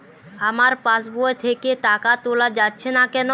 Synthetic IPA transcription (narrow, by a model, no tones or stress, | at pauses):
amaɾpãsboet̪ʰekeʈakatolad͡ʑatːɕʰenakɛno